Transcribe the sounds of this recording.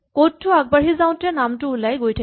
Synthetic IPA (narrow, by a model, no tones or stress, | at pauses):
kotʰːʊaɡ̚baɦizaʊ̃tɛnamtʊulajɡojtʰa